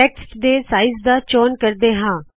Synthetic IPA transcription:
ɛːksʈd̪eːsaːɪzd̪aːt͡ʃɔːnkəɾd̪eːɦãː

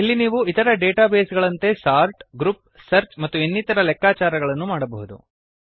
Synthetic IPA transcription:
ilːiniːʋuit̪ɐɾɐɖeːʈaːbeːsɡɐɭɐnt̪e̞saːɾʈɡɾup̚ | sɐɾt͡ʃmɐt̪ːuenːit̪ɐɾɐlɛkːaːt͡ʃaːɾɐɡɐɭɐnːumaːɽɐbɐɦud̪ṵ

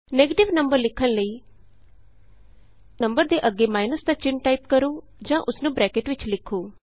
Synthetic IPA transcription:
neːɡəʈɪʋnəmbəɾlɪkʰːənləiː | nə̃mbəɾd̪eːʔəɡːeːmaːɪnəsd̪aːt͡ʃɪnʈaːɪpkəɾõː | d͡ʒãːʔʊsnũːbɾɛːkeːʈʋɪt͡ʃlɪkʰːoː

